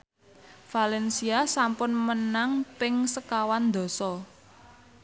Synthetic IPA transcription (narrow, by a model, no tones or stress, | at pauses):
falɛnsiasampʊnmənaŋpɪŋsəkawand̪ɔ̤sɔ